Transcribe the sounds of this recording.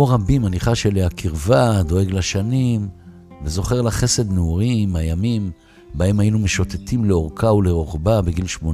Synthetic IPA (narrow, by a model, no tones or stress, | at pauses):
oʁabimaniχaʃeliakiʁvad̪o̞e̞ɡlaʃanim | vezo̞χe̞ʁlaχe̞se̞d̪neuʁimajamim | bae̞majinumeʃot̪etʰimleo̞ʁkaule̞ʁoχbabeɡilʃmon